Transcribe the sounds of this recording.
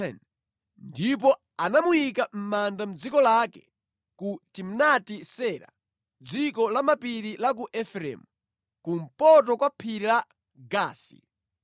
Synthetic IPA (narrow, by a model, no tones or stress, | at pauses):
ɛn | ndip̬ɔ | anamuikam̩mandam̩d͡zikɔlakɛ̰ | kutim̩natisɛɾa̰ | d͡zikɔlamapiɾilak̬uʔɛfɾɛ̰mu | kum̩pɔt̬ɔkwapʰiɾila | ɡaːsḭ